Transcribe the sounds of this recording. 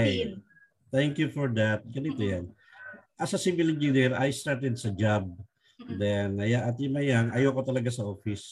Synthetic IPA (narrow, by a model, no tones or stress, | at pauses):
j | t̪ɛŋkjufɔɹd̪at̪̚ɡɐnit̪ojan | ʔɐsɐsimɪlɪnd͡ʒinɛɾɐ̰jst̪aɹt̪ɛd̪̚sɐd͡ʒab̚ | d̪ɛnɐjaʔɐt̪jʊmɐjaŋʔɐjokot̪ɐlɐɡasɐʔofɪs